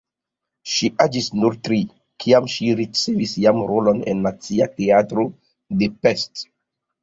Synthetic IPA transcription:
ʃiʔad͡ʒisnuɾtɾi | kʰiamʃiɾit͡se̞visjamɾo̞lo̞nḛnːat͡siate̞atɾo̞ | de̞pest

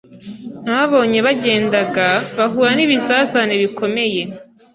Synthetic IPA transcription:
naβaβo̞ːɲe̞βaɟe̞ːndaɡaβaɦuːɾaniβisazaneβiko̞me̞je̞

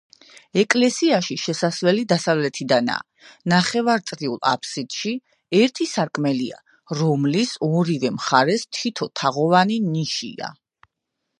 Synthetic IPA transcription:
ɛkʼlɛsiaʃiʃɛsasvɛlid̪asavlɛt̪ʰid̪ana̰ | naχɛvaɾt̪sʼɾiulˠa̰pʰsid̪̥ʃi | ɛɾt̪ʰisaɾkʼmɛlia̰ | ɾɔmlisɔɾivɛmχaɾɛst̪ʰit̪ʰɔt̪ʰaʁɔvaniniʃḭa̰

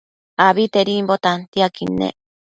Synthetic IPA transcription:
aβit̪eɾimbot̪ant̪iakinḛ

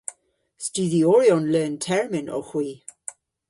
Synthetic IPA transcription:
stʉːðiɔɹiɔnlɛːntʰɛɹmɪnʔɔ̰xw̥iː

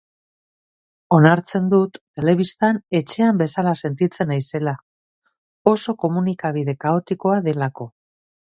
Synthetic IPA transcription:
o̞naɾt͡se̞nd̪ut̪ːe̞le̞β̞ist̪ane̞t͡ʃe̞ambe̞salase̞nt̪it͡se̞najse̞la | o̞so̞ko̞munikaβ̞iðe̞kao̞t̪iko̞aðe̞lako̞

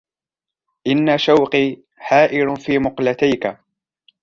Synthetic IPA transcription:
ʔɪnːaʃawqiː | ħaːʔɪɾʊfiːmʊqlat̪ajka

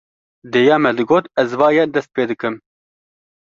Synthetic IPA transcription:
d̪eːjɑːmɛd̪ɨɡoːt̪ɛzvɑːjɛd̪ɛst̪̚peːd̪ɨkɨm

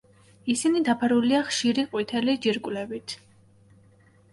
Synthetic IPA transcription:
isinid̪apʰaɾuliaχʃiɾiqʼwit̪ʰɛlid͡ʒiɾkʼwlɛbit̪ʰ

